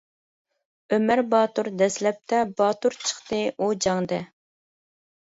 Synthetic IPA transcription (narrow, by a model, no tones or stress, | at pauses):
ømæɾbɑːt̪uɾd̪ɛslɛp̚t̪ʰɛbɑːt̪uɾt͡ʃʰə̥χt̪ɨʔud͡ʒɑŋd̪ɛ